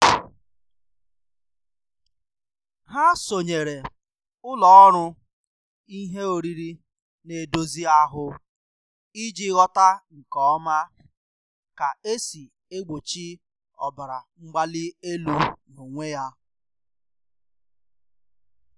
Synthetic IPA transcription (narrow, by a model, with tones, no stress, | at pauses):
ɦa˦so˨ɲe˨ɾe˨ | ʊ˦lɔ˨ɔ˦ɾʊ˦ | i˦ɦe˦o˨ɾi˦ɾi˦ | ne˨do˦zi˦a˦ɦʊ˦ | i˦d͡ʒi˦ɣɔ˦ta˦ŋ̩˨kɔ˦ɔ˦ma˦ | ka˨e˦si˨ | e˦ɡ͡bo˨t͡ʃi˦ | ɔ̰˨ba˨ɾa˨ŋ͡m̩˦ɡ͡ba˦lɪ˦e˦lu˦no˨ŋʷe˦ja˦